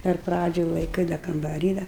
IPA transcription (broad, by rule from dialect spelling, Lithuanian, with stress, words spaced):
ɪr ˈprɑːd͡ʒʲoːj lˠɐɪˈkɨɪ dɐ kɐmbɐˈrʲiː dɐ